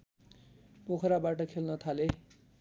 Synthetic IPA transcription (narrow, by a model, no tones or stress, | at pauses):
pokʰɾabaʈʌkʰelnʌt̪ʰale